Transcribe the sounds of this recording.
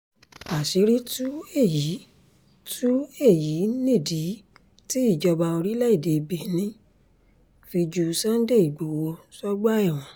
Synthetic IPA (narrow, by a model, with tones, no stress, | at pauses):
a˨si˨˦ɾi˦tu˦e˦˨ji˨˦ | tʰu˦e˦˨ji˨˦nẽ˦˨di˨˦ | ti˦i˦˨d͡ʒɔ˧ba˧o˧ɾi˦lɛ˦i˦˨de˨˧be˨nĩ˦ | fi˧d͡ʒu˧sã˦n̩˦de˦˨i˨ɡ͡bo˨wo˧sɔ˦ɡ͡ba˦ɛ˦˨w̃ɔ̃˨